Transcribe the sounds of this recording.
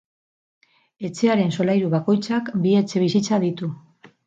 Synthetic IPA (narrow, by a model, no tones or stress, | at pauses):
e̞t͡se̞aɾe̞nso̞lajɾuβako̞jt͡sakbie̞t͡se̞β̞isit͡saðit̪u